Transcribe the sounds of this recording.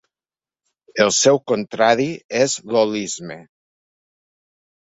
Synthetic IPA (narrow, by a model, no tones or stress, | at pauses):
elˠsɛwkont̪ɾaðiezlolizme